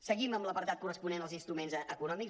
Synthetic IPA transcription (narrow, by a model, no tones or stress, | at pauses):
səɣiməmbləpəɾt̪at̪̚kurəspunenəlˠzinst̪ɾumenzəkunɔmik